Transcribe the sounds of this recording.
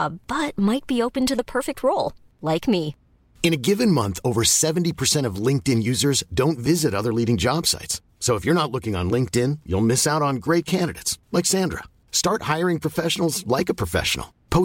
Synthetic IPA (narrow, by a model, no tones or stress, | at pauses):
ʔəb̥ʌt̚maɪt̚b̥ioʊpɨ̃n̩tɨðəpʰɜ˞fɨk̚t̚ʰɹoʊlˠ | laɪkmi | ɨ̃ñɨɡɪvɨ̃nmʌ̰̃nθoʊvə˞sɛṽn̩tipʰə˞sɛ̃ɾ̃ʌvlɪ̃ŋk̚tɪ̃njʉzə˞zdõʊ̃ntvɪzɨɾʌðə˞liɾɪ̃ŋd͡ʒɑb̥sa̰ɪtsː | oʊəfjə˞nətˡlʊkɪ̃ŋə̰̃nlɪ̃ŋk̚tɪ̃njṵlˠmɪsaʊɾn̩ɡɹeɪt̚kʰæ̃ndɨɾḛɪtslaɪksæ̃ndɹə̰ | stɑɹt̚haɪə˞ɪ̃ŋpʰɹ̥ɨfɛʃnl̩ˠzlaɪkɨpʰɹ̥ɨfɛ̰ʃə̰n̩l̩ˠpʰoʊ